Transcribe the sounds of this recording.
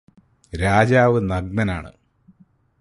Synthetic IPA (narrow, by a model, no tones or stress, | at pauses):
ɾaːd͡ʑaːʋɨnɐɡnɐnaːɳɨ̰